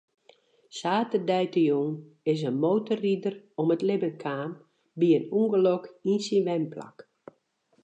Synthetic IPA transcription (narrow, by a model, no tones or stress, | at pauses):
saːtədɛjtəjoŋ | ɪsənmoːtəridərɔmətlɪbəkʰaːm | biənuŋɡəlɔkinsinʋɛmpʰla̰k